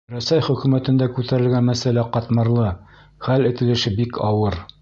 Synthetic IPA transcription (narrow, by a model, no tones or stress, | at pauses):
ɾæsæjχɵ̆kʉmæt̪ɘ̆nd̪ækʉt̪æɾɘ̆lɡænmæsælæqɒt̪mɤ̆ɾlˠɤ | χælɘ̆t̪ɘ̆lɘ̆ʃɘbikɒwɤɾ